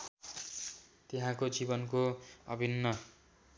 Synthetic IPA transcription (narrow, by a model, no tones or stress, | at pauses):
t̪eɦãkod͡zibʌnkoʌ̰bʱinːʌ